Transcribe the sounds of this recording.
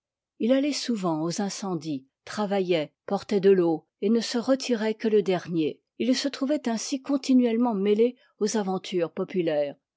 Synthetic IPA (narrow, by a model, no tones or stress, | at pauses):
ilalɛsuvɑ̃ozɛ̃sɑ̃d̪i | t̪χavajɛpɔʁt̪ɛd̪əlo | enəsəʁət̪ʰiʁɛkələd̪ɛʁnje | ilsət̪χuvɛt̪ɛ̃sikɔ̃t̪inɥɛlmɑ̃mele | ozavɑ̃t̪ʰyːʁpɔpylɛːʁ